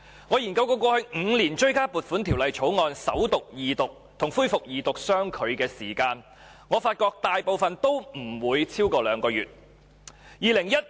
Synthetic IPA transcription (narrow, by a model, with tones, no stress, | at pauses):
ŋɔː˨˧jiː˨˩nkɐ˧wko˧wkɔː˧hɵ˧ɥŋŋ̩˨˧˥liː˨˩nt͡ʃɵ˥ɥkaː˥puː˨t̚fu˨˥nt̪ʰiː˨˩wlɐ˨jt͡ʃʰo˨˥wŋɔː˧nsɐ˨˥wt̪ʊ˨k̚jiː˨t̪ʊ˨k̚t̪ʰʊ˨˩ŋfuː˥jfʊ˨k̚jiː˨t̪ʊ˨k̚sœː˥ŋkʰɵ˨˧ɥkɛː˧siː˨˩kaː˧n | ŋɔː˨˧faː˧t̚kɔː˧k̚t̪aː˨jpo˨wfɐ˨nt̪o˥wm̩˨˩wuː˨˧jt͡sʰiː˥wkɔː˧lœː˨˧˥ŋkɔː˧jyː˨t̚ | jiː˨lɪ˨˩ŋjɐ˥t̚